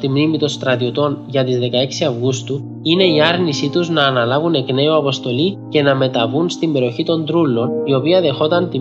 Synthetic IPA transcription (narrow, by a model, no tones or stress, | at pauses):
t̪imnimit̪o̞st̪ɾɐt̪io̞t̪o̞nʝɐt̪izðe̞kɐeksiɐvɣust̪u | ine̞iɐɾnisit̪uznɐːnɐlɐvune̞kne̞uɐpo̞st̪o̞lice̞nɐme̞t̪ɐvunst̪imbe̞ɾo̞çit̪o̞nd̪ɾulːo̞nio̞piɐðe̞xo̞t̪ɐnt̪i